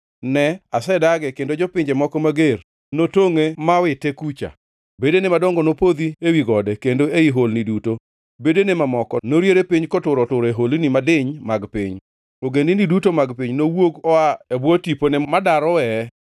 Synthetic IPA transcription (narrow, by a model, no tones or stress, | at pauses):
nɛasɛdaɡɛkendod͡ʒɔpɪɲd͡ʒɛmɔkɔmaɡer | notoŋemawɪtekut͡ʃa̰ | bedenemadɔŋɡɔnopod̪iewiɡɔdɛkendoeiɦolniduto | bedenemamɔkɔnoɾjeɾepiɲkɔtʊɾɔtʊɾeɦolinimadɪɲmaɡpɪ̰ɲ | oɡendɪnidutomaɡpiɲnowoɡɔaebwɔtiponɛmadaɾɔwɛ